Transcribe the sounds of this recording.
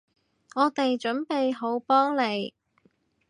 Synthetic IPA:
ŋɔː˨˧t̪e˨jt͡ʃɵ˨˥npe˨jɦo˨˧˥wpɔː˥ŋle˨˧j

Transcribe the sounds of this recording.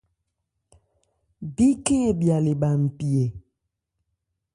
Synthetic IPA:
bi˦kẽ˦ɛ˨bi˨a˨le˨ba˨m̩˨pi˨e˨

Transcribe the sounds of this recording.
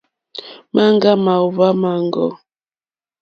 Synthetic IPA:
ma˦ŋɡa˦ma˨u˨βa˦ma˨ŋɡɔ̰˦˨

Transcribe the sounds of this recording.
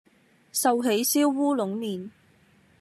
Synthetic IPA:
sɐ˨˧wɦe˨˧˥jsiː˥wːuː˥lʊ˨˥ŋniː˨˩n

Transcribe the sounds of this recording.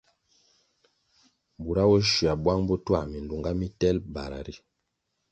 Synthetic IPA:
bu˨ɾa˦wɛ˦ʃi˨a˨bwa˦ŋbɔ˦twa˦˨mi˨n˨du˨ŋɡa˦mi˦tɛ˦lba˨ɾa̰˨ɾi˦

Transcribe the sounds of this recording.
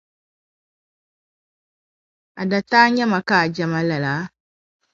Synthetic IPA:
a˨da˨taː˦ɲɛ˦ma˨ka˨d͡ʒa˨ma˦la˨laː˨˦

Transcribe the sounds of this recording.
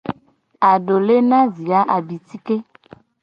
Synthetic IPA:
a˨ɖo˨le˦nã˦zi˨a˦ʔa˨bi˨ti˦ke˦

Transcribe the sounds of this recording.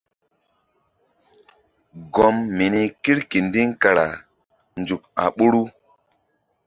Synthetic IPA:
ɡɔ˦mːi˨ni˦ki˦ɾki˨ndi˦ŋka˨ɾa̰˨ | nd͡zu˨ka̰˨ɓu˦ɾu˦

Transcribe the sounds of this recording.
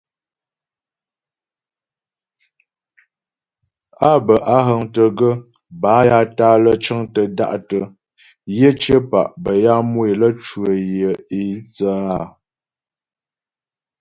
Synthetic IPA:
a˦bə˨ʔa˦ɦə˨ŋtə˨ɡə˦ | ba˨˦ja˦taː˦lə˦t͡ʃə˦ŋtə˨da̰˦˨ʔtə˨ | jə˦t͡ʃə˦pa̰˨ʔbə˨ja˦mwe˨lə˦t͡ʃwə˨jə˨i˨˦t͡sə˦a˦˨

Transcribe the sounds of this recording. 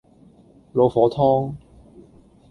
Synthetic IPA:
lo˨˧wfɔː˨˥t̪ʰɔː˥ŋ

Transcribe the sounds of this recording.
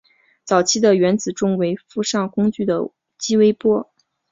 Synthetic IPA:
t͡sɑ˨˩ʊt͡ɕʰi˥d̪ə˨ɥɛ˧˥nt͡sɹ̩˨˩ʈ͡ʂʊ˥ŋwe˧˥ɪfu˥˧ʂɑ˥˩ŋkʊ˥ŋt͡ɕy˥˩d̪ə̰˩ | t͡ɕi˥we˥ɪpwɔ˥

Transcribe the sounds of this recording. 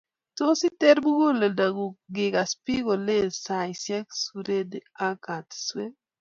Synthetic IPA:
to˦sɪ˦tɛ˦ɾbu˦ɡo˦la˨da˨ɡu˨ɡɪ˨ka˨spi˦ɡo˨le˦˨sa˨jsjɛ˦ksu˨ɾe˦da˦ka˨tswe˦

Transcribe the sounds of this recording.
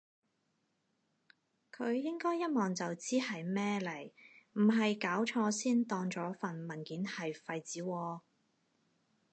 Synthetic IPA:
kʰɵ˨˧ɥjɪ˥ŋkɔː˥jːɐ˥t̚mɔː˨˩ŋt͡sɐ˨wt͡siː˥hɐ˨jmɛː˥lɐ˨˩jm̩˨˩ɦɐ˨jkaː˨˥wt͡ʃʰɔː˧siː˥nt̪ɔː˧ŋt͡sɔː˨˥fɐ˨˩nmɐ˨˩nkiː˨˥nhɐ˨jfɐ˧jt͡siː˨˥wɔː˧

